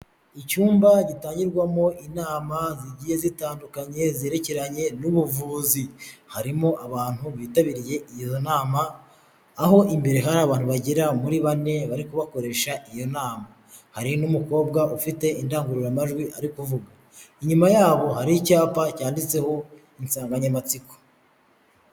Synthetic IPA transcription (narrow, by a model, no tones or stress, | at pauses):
icuːmbaɟitaːɲɟiɾɡwamo̞ʔinaːmaziɟije̞zitaːndukaɲe̞ze̞ːɾe̞ce̞ɾaɲe̞nuβuvuːzihaɾimo̞ʔaβaːn̥huβiːtaβiɾije̞ʔijozonaːmaː | ɦo̞ʔimbe̞ɾe̞ɦaɾaːβaːn̥huβaɟiɾamuɾiβane̞βaɾikuβako̞ɾe̞ʃaʔijo̞naːma | haɾinumuko̞ːbɡaʔufite̞indaːŋɡuɾuɾamaʒɡwiʔaɾikuvuɡa | iɲumajaːβo̞ɦaɾicaːpacaːndit͡se̞ho̞ | insaːŋɡaɲamat͡siko̥